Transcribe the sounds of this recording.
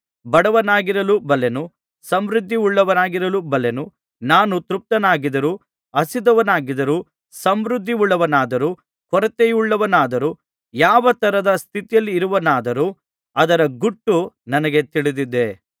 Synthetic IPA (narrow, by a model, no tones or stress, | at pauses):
bɐɽɐʋɐnaːɡiɾɐlubɐlenu | sɐmɾud̪ʱːiuɭːɐʋɐnaːɡiɾɐlubɐlenu | naːnut̪ɾup̚t̪ɐnaːɡid̪ɐɾuː | ɐsid̪ɐʋɐnaːɡid̪ɐɾuː | sɐmɾud̪ʱːiuɭːɐʋɐnaːd̪ɐɾuː | kɔɾɐt̪ejuɭːɐʋɐnaːd̪ɐɾuː | jaːʋɐt̪ɐɾɐd̪ɐst̪ʰit̪ijɐlːiːɾuʋɐnaːd̪ɐɾu | ɐd̪ɐɾɐɡuʈːunɐnɐɡe̞t̪iɭid̪id̪e